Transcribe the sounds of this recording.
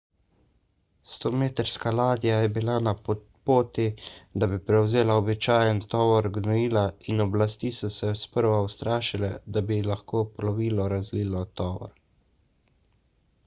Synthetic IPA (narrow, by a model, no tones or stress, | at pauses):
st̪omeːt̪əɾskalaːd̪ijajɛbilana | poːt̪id̪abipɾɛwzeːlaɔbit͡ʃaːjənt̪ɔːʋɔɾɡnɔiːlainɔblast̪isɔsɛspəɾʋawst̪ɾaːʃilɛ̰d̪abilaxkoːpɔlɔʋiːlɔɾazliːlɔt̪ɔːʋɔ̰ɾ